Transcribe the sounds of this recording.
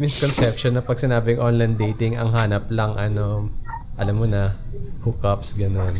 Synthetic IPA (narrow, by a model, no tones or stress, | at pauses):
mɪskonsɛp̚ʃonːɐpɐɡ̚sɪnaːbɪŋʔonlɐjnd̪ejt̪ɪŋɐŋɦaːnɐplɐŋʔɐno̞ | ʔɐlamːonɐhukɐpsɡɐno̞n